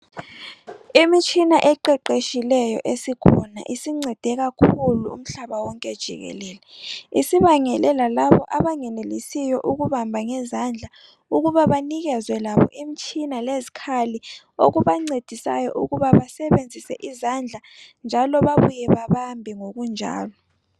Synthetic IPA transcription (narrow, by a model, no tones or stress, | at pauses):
imit͡ʃʼinaʔɛǃɛǃeʃilɛjɔ̰ʔesikʰɔna̰ʔisiŋ͡ǀɛd̥ʱɛɣakʰuluṵm̩ɬaβawɔŋkʼɛd̥ʒ̥ʱḭɣɛ̰lɛːlɛisiβaŋɛlɛlalaβɔʔaβaŋɛnelisijɔʔuɣuβambʱaŋɛzand͡ɮʱa | uɣuβaβaniɣɛzwɛlaβɔ̰ʔimit͡ʃʰʼinalezikʰali | oɣuβaŋ͡ǀed̥ʱisa̰jɔ̰ʔuɣuβaβasɛβend͡zʱisɛ̰ʔizand͡ɮʱa | nd͡ʒʱalɔβaβujɛβaβambʱiŋoɣund͡ʒʱa̰ːlɔ